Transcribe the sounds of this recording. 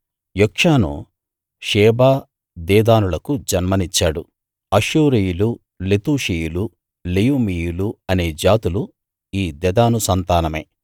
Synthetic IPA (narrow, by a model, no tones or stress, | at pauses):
jokʂaːnṵ | ʃɛːbaː | d̪ɛːd̪aːnulɐkud͡ʒɐnmɐnit͡ʃːaːɽu | ɐʃuːɾijulu | let̪uːʂijulu | lejuːmijuluɐne̞ːd͡ʒaːt̪ulu | iːd̪ɛd̪aːnusɐnt̪aːnɐmḛː